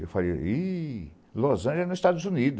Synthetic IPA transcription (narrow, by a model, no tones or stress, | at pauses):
ḛwfalej̰i | lozɐ̃ʒeɛnzist̪ad̪ʊzũnid̪ʊ